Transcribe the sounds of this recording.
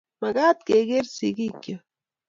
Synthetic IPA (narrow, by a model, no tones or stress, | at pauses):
maɡaːt̪̚keɣeɾsiɡikjo